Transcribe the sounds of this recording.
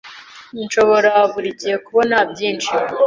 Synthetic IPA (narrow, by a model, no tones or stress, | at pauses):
inʃo̞βo̞ɾaːvuɾicijekuβo̞nabɟiːnt͡ʃi